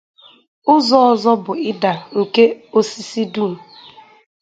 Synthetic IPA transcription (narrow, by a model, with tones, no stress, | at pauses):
ʊ˦zɔ˦ɔ˦zɔ˦bʊ˨ɪ˦da˨ŋ̩˨ke˦o˦si˦si˦du˦˨l̩˨